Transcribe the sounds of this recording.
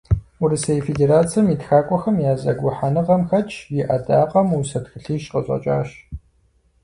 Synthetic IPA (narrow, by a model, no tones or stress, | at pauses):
ʊɾɨsɐjfedeːɾaːt͡sʰiɐmitxaːkʷʼɔxɐmjaːzɐɡʷʊħanɨʁɐmxɐt͡ʃʼʰjɪʔɐdaːqʼɐmusɐtxɨɬiːʃqəɕʷʼɐ̰t͡ʃʼa̰ːɕ